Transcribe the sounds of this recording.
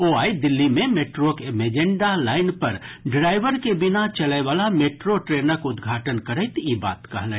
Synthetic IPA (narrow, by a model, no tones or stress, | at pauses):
oaid̪ɪlːimẽmeʈɾokmed͡ʒeɳɖalaːɪnpəɾɖɾaɪʋəɾkebɪnat͡ʃələɪʋaːlameʈɾoʈɾenəkʊd̪ɡʱaʈənkəɾəɪt̪iba̰ːt̪kəɦlɛ̃